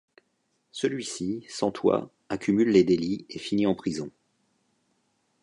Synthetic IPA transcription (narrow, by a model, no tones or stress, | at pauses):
səlɥisisɑ̃t̪ʰwa̰ | akʲymylːed̪eliefiniɑ̃pχizɔ̃